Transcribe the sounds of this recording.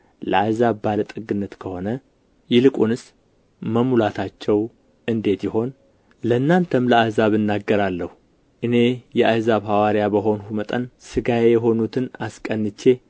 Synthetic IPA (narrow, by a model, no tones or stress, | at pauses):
ləazaβbalət̪ʼɨɡɨnːət̪kʰəho̞nə | jɛlɨkʼunɨs | məmulat̪ʰat͡ʃːɛw | ɨnd̪e̞t̪jɪho̞n | lənːant̪ʰəmləahzaβɨnːaɡːəɾalːəhu | ʔɨne̞jɛʔajzaβɦawaɾijabəɦo̞nhumət̪ʼə̰nsɨɡajejɛɦo̞nut̪ʰɨnaskʼənːɨt͡ʃːe̞